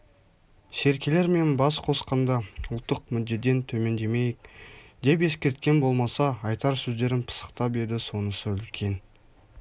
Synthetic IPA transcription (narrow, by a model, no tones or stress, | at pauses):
se̞ɾkʲe̞le̞ɾme̞nbɑsqʰo̞sqɑnd̪ɑʊlˠt̪ːəq̚mʏd̪ːe̞t̪ːe̞nt̪ʰɵme̞nd̪e̞me̞jɪk̚d̪̥e̞pe̞skʲe̞ɾt̪̚kʲe̞nbo̞lˠmɑsɑːjt̪ɑɾsɵzd̪e̞ɾɪnpʰə̥sə̥qt̪ɑpbe̞ɾd̪ɪso̞nəsəʏlkʲʰe̞n